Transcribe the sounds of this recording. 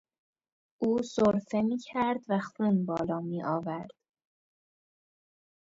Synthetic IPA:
ʔuːsoɾfe̞miːcʰæɾd̪væxuːnbɒːlɒːmiːʔɒːvæɾd̪̥

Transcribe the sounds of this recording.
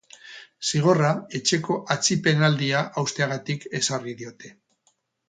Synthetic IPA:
siɣ̞o̞rae̞t͡ʃe̞ko̞ʔat͡sipe̞nald̪iaʔawst̪eaɣ̞at̪ike̞sariðio̞t̪e̞

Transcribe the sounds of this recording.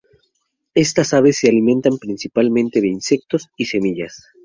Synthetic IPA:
e̞st̪asaβe̞sːealimẽnt̪ampɾinsipalmẽnt̪e̞ðe̞inse̞k̚t̪o̞sise̞miʝas

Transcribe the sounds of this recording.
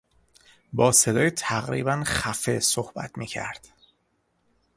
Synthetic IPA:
bɒːse̞d̪ɒːjet̪ʰæɣɾḭːbænxæfesohbæ̰t̪ʰmiːcʰæ̰ɾd̪̥

